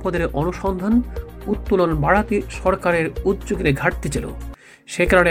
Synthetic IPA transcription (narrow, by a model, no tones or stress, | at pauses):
pɔd̪eɾɔnuʃɔnd̪ʱanut̪ːulonbaɽat̪iʃɔɾkaɾeɾud̪d͡ʑoɡeɾeɡʱaʈ̚t̪it͡ɕelo̰ | ʃekɾaɽe